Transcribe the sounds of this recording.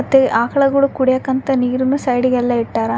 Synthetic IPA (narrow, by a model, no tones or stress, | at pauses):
ɐt̪ːeʔaːkɐɭɐɡɐɭukuɽijakːɐnt̪ɐniːɾunːusɐjɽiɡɛlːɐiʈːaːɾɐ